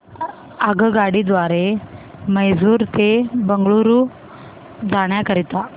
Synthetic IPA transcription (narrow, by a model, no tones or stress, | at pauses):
əɡəɡaɽid̪ʋaɾeməjd͡zuːɾt̪ebəŋɡɭuɾu | d͡zaɽ̃jakəɾit̪a